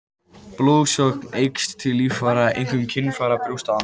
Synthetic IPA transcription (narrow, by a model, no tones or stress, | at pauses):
ploːðsɔknejkstt̪ʰːɪlːiːffaɾaʔḛjŋ̥kʏmcʰɪnːfaːɾapɾuwst̪aan